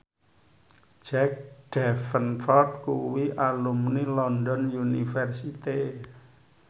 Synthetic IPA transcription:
d͡ʒɛk̚ɖ̥ɛfənfɔrt̪̚kuwiʔalumnilɔndɔnjunifɛrsit̪i

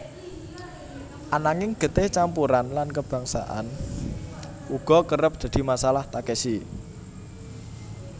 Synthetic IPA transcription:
ʔanaŋɪŋɡ̥ə̤t̪ɪht͡ʃampuɾanlankəb̥a̤ŋsa̰ʔa̰n | uɡ̥ɔ̤kəɾəp̚d̪̥a̤d̪̥i̤masalaht̪akɛsi

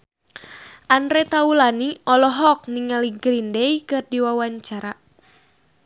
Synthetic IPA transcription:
ʔandɾɛt̪aulaniʔɔlɔɦɔk̚niŋaliɡɾindɛikɨrdiwawaɲt͡ʃaɾa

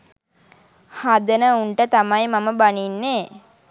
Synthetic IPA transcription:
had̪ənəuɳʈət̪amajmaməbaninːeː

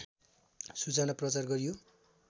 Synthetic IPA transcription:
sut͡sanaprʌt͡sarɡʌɾijo

